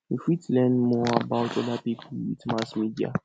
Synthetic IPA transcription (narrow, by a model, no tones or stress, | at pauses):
ĩfitlɛ̃nmɔabaʊtɔdapipuwḭtmasmidia̰